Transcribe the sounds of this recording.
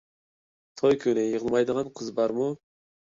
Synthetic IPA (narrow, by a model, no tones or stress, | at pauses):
t̪ʰojkʲʰønɪjəʁəlˠmɑjd̪əʁɑnqʰəzbɑɾmu